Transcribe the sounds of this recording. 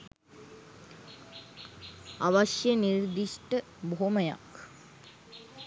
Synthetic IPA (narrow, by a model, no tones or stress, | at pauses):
aʋaʃjəniɾd̪iʂʈə | boɦoməja̰k